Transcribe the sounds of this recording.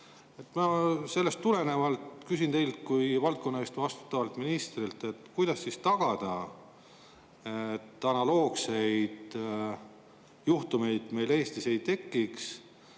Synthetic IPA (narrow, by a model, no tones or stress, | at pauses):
e̞t̪ːˑmɑːse̞lːe̞st̪ːule̞ne̞vɑlt̪kysint̪e̞jlt̪kujvɑlt̪̚ko̞nːɑest̪vɑst̪u̥t̪ːˑɑvɑlt̪ˑminist̪rilt̪ˑe̞t̪kujd̪̥ɑsːist̪ɑɡ̥ɑd̪̥ɑ | et̪ːɑnɑlo̞ːɡse̞jd̪̥ | juht̪ume̞jd̪̥me̞jle̞ːst̪ise̞jt̪e̞kːiks